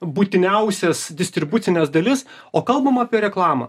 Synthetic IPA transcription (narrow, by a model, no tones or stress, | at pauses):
buːt̪ʲɪnʲɛʊsʲɛsd̪ʲɪsʲt̪ʲɾʲɪbʊt̪t͡s̪ʲɪnʲɛsd̪ɐlʲɪs | oːkɐlˠbɐmɑːpʲiɛɾʲɛklˠɑːmɐ̰